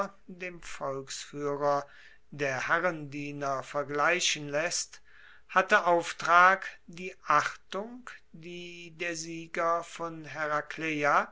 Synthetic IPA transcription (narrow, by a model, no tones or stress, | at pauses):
deːmfɔlksfyːʁɐ | deːɐhæʁəndiːnɐfɛɐɡlaɪɕənlɛst | hatəʔaʊftʁ̥aːkd̥iːʔaχtʊŋkd̥iːdeːɐziːɡɐfɔnɦɛʁakleja